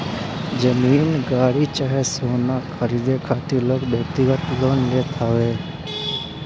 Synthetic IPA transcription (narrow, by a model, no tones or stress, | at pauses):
d͡ʒəmiːnɡaːɽit͡ʃəɦɛsoːnakʰəɾiːd̪ekʰaːt̪iloːɡbjəkt̪ɪɡət̪loːnleːt̪ʰaʋeː